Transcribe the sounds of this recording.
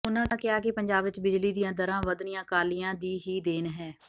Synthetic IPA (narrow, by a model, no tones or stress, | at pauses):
ʊnãːakɪaːkɪpəɲd͡ʒaːbʋɪt͡ʃbɪd͡ʒliːd̪ijãːd̪əɾãːʋəd̪nɪjãːkaːlijãːd̪iːɦiːd̪eːnɦɛː